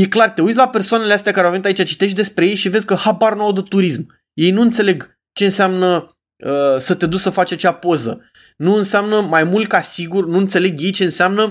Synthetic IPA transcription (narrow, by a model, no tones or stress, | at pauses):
je̞klart̪e̞ut̪s̬ʲlape̞rsoaneleast̪eakaɾoawvenit̪ait͡ʃat͡ʃi̥t̪e̞ʃt̪̚d̪e̞spɾe̞je̞jʃive̞zʲkəhabarnuawd̪ət̪ːuɾism | je̞jnuɨnt̪se̞le̞ɡ | t͡ʃe̞ɨnseamnə | əsət̪ed̪uksəfat͡ʃat͡ʃeapo̞zə̰ | nuɨnseamnəmajmult̪̚kasiɡurnuɨnt̪se̞le̞ɡje̞jt͡ʃe̞ɨnseamnə